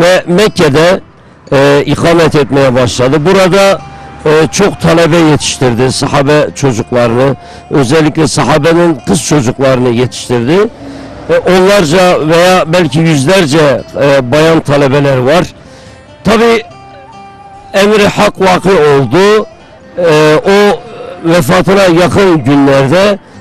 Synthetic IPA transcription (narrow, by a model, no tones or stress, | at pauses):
vɛmɛkʰʲːɛd̪ɛ | iqʰɑːmɛt̪et̪mɛjɛbɑʃlˠɑd̪ɯbuɾɑd̪ɑ | t͡ʃʰoqt̪ʰɑlɛbɛjet̪ʰi̥ʃt̪iɾd̪ɪsɑhɑːbɛt͡ʃʰod͡ʒuqlˠɑɾɨnɯ | øzɛlːikʲlɛsɑɦɑːbɛnɪnqʰɯst͡ʃʰod͡ʒuqlˠɑɾɨnɯjet̪ʰi̥ʃt̪iɾd̪ɪ | ʔonllːˠɑɾd͡ʒɑvɛjɑːbɛlʲkʲʰijyzlɛɾd͡ʒɛbɑjɑnt̪ʰɑlɛbɛlɛɾvɑɾ | t̪ʰɑbiː | ɛmɾhɑqvɑːqeolˠd̪u | ovɛfɑːt̪ʰɯnɑjɑqʰɯnɟynlæɾd̪ɛ